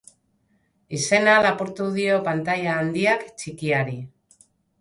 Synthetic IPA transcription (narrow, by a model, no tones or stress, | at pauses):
ise̞nalapuɾt̪uð̞io̞pant̪ajaːnd̪iakt͡ʃikiaɾi